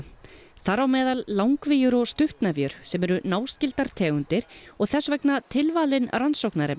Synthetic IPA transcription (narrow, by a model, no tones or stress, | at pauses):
θaɾawmɛːðalːawŋkvɪjʏɾɔɣst̪ʏht̪navjʏɾ̥sɛmɛɾʏnaːwscɪlt̪aɾ̥t̪ʰɛːɣʏnt̪ɪɾ̥ɔɣθɛsvɛknat̪ʰɪlvaːlɪnransowknaɾɪm